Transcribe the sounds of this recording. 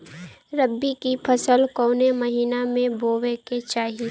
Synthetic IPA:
ɾəbːikipʰəsəlkoːneməɦiːnamẽboːweket͡ʃaːɦi

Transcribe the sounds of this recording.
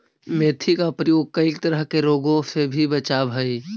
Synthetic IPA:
meːt̪ʰikapɾəjoːɡ̚kəikt̪əɾəɦkeɾoːɡõsebʱibət͡ʃaːbʱɦɐi

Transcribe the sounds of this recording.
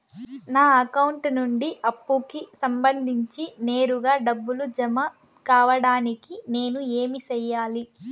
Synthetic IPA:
naːɐkɐwuɳʈnuɳɖiʔɐpːukisɐmbɐnd̪ʱiɲt͡ʃine̞ːɾuɡaːɖɐbːulud͡ʒɐmɐ | kaːʋɐɽaːnikine̞ːnueːmisɛjːaːli

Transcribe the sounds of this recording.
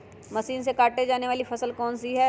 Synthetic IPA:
mɐsiːns̬ekaːʈed͡ʒaːneʋaːlifʰɐsəlkɔːnsiɦɛː

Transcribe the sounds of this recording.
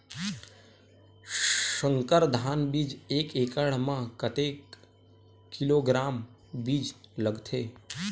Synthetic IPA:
ʃəŋkəɾd̪ʱaːnbiːd͡ʒeːkeːkəɭmãkət̪eːkː | iloːɡɾaːm | biːd͡ʒləɡt̪ʰeː

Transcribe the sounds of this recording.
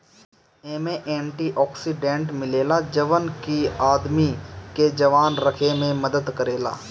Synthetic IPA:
eːmẽʔɛ̃ːɳʈiʔɔːksiɖẽːɳʈmɪleːlad͡ʒɐʋənkiaːd̪miked͡ʒɐʋaːnɾɐkʰemẽmɐd̪əd̪kɐɾeːla̰ː

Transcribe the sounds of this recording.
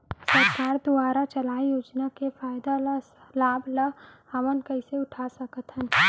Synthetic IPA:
sɐɾkaːɾd̪uaːɾat͡ʃɐlaːijoːd͡ʒnakefaːjd̪a | laːblə | ɐʋənkɐɪseʊʈʰasɐkət̪ɦən

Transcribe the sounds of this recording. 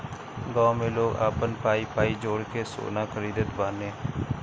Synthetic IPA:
ɡɔ̃ːmẽːloːɡa̰ːpənpaːiːpaːiːd͡ʒoːɽkeːso̰ːnaːkʰəɾiːd̪ət̪baːneː

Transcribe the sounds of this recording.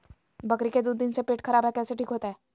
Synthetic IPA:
bɐkɾiked̪ʊd̪̚ːɪnsepeːʈkʰɐɾaːbɦɛkɛːseʈʰiːkɦoːt̪aɦɛː

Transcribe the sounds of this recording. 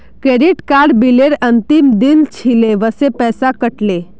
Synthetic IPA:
kɾeɖiʈkaɾɖbileɾənt̪imd̪int͡ʃʰileʋəsepɛːsakəʈle

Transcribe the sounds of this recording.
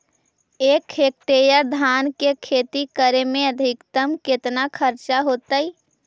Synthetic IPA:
eːkʰːeːk̚ʈ̪ejəd̪ʱaːnkekʰeːt̪ikəɾemẽəd̪ʱɪkt̪əmkɪt̪nakʰəɾt͡ʃaɦoːt̪ai

